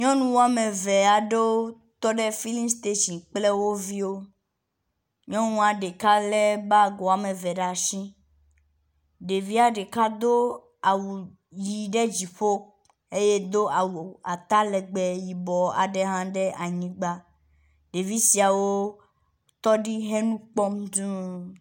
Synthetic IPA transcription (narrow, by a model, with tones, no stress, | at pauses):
ɲɔ̃˦nũ˦wo˦a˨me˨vɛ˨a˨ɖe˦o˦ | t̪ɔ˦ɖɛ˦fi˦li˦st̪e˦ʃĩ˨k͡ple˦wo˦vi˦wo˦ | ɲɔ̃˦nũ˦a˨ɖe˨ka˦lɛ˦ba˦ɡɔ˨a˨mɛ˨vɛ˨ɖa˨ʃĩ˦ | ɖe˨vi˦a˨ɖe˨ka˦d̪o˦ | a˨wu˨ | ji˨ɖɛ˦d͡ʑi˨ɸo˦ | e˦je˦d̪o˦a˨wu˨a˨t̪a˦lɛ˨ɡ͡bɛ˨ji˨bɔ˨a̰˨ɖɛ˦ɦã˦ɖɛ˦ʔa˨ɲĩ˦ɡ͡ba˦ | ɖe˨vi˦si˨a˨wo˦ | t̪ɔ˦ɖi˦ɦɛ˦nũ˦k͡pɔ˦md̪ũ˦